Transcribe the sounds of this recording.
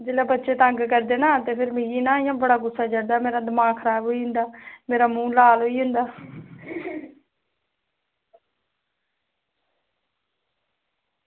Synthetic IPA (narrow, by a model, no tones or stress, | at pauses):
d͡ʒeːlaːbətːʃeːt̪əŋɡkəɾd̪eːnãːt̪eːpʰɪɾmɪɡiːnãːjãːbəɽaːɡʊsːaːd͡ʒəɽd̪aːmeːɾaːd̪əmãːkʰəɾaːbɦoːiːɦʊnd̪aːmeːɾaːmũːlaːlɦoːiːɦʊ̃nd̪aː